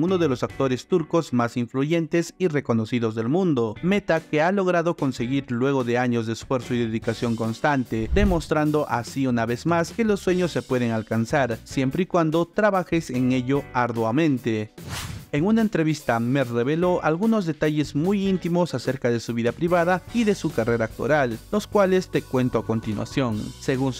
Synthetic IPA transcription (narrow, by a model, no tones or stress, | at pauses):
unoðe̞lo̞sak̚t̪o̞ɾe̞st̪uɾko̞zmasiɱfluʝe̞nt̪e̞sire̞ko̞no̞siðo̞zðe̞lmũnd̪o̞me̞t̪ake̞alo̞ɣ̞ɾaðoko̞nse̞ɣiɾlwe̞ɣo̞ðe̞aɲo̞zðeːsfwe̞ɾsoiðeðikasjo̞ŋkonst̪ant̪e̞d̪e̞mo̞st̪ɾand̪o̞ʔasiunaβe̞zmaske̞lo̞sːwe̞ɲo̞sːe̞pwe̞ðe̞ŋalkansaɾsje̞mpɾeikwand̪o̞t̪ɾaβaxe̞se̞ŋe̞ʎo̞aɾðwamẽ̞nt̪e̞ | eŋunaent̪ɾe̞βist̪amere̞βe̞lo̞ʔalɣuno̞zðe̞t̪aʝe̞zmujint̪imo̞sase̞ɾkaðe̞suβiðapɾiβaðaiðe̞sukare̞ɾaːk̚t̪o̰ɾallo̞skwale̞st̪e̞kwe̞nt̪oako̞nt̪inwa̰sjo̞nse̞ɣun